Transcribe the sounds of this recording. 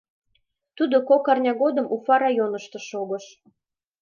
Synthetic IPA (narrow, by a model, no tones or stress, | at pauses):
t̪ud̪okokɑrnʲɑɣod̪əmʔufɑɾɑjonəʃt̪ɤ̆ʃoɣɤʃ